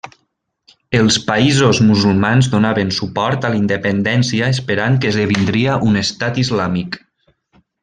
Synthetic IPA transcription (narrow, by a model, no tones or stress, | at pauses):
əlˠspaizozmuzulˠmanzðonaβənsupɔɾt̪alind̪epend̪ɛnsiaespəɾaŋkəzðeβind̪ɾiaʔunest̪at̪izlamik